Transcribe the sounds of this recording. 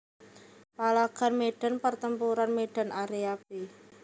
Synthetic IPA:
palaɡ̥a̤nmeɖ̥a̤npərt̪əmpuɾanmeɖ̥a̤naɾeap̚i

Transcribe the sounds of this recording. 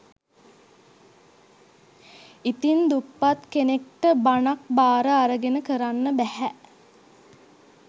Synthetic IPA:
it̪ind̪upːat̪kenek̚ʈəbanak̚baːɾəaɾəɡenəkəɾanːəbæhæ

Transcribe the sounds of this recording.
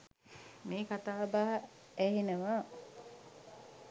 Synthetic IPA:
meːkat̪aːbaɦɐ | æɦinəʋaː

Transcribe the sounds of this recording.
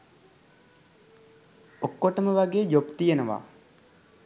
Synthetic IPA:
okːoʈəməʋaɡeːd͡ʒopt̪ijənəʋa̰ː

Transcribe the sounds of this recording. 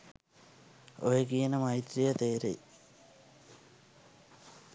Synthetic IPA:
o̰jekijenəmɐjt̪rijət̪eːɾḛj

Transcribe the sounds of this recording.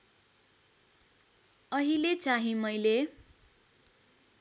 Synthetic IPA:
ʌɦilet͡saɦĩmʌjle

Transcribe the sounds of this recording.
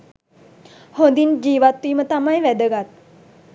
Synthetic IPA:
hond̪ind͡ʒiːʋat̪ːiːmət̪amajʋæd̪əɡat̪̚

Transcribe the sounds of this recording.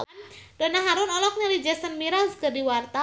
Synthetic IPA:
nd̥onaɦaɾʊnɔlɔk̚ɲaɾid͡ʒasənmiɾalsɡərdiwart̪a

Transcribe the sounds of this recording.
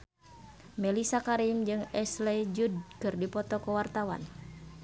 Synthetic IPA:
mɛlisakaɾimd͡ʒɨŋɛslɛd͡ʒud̚kɨrdipɔt̪ɔkɔwart̪awa̰n

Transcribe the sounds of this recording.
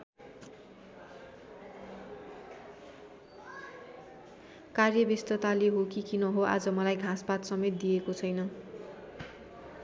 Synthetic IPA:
karjʌbist̪ʌt̪aleɦokikinʌɦoʔa̰d͡zʌmʌlajɡʱãspat̪sʌmet̪̚d̪iekot͡sʰʌjnʌ

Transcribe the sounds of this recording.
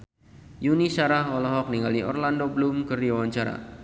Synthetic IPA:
junisaɾaɦɔlɔɦɔk̚niŋɡaliɔ̰rlandobəlumkərdiawaɲt͡ʃaɾa̰

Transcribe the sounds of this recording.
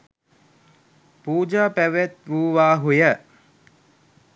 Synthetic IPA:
puːd͡ʒaːpæʋet̪ʋuːʋaːɦujə

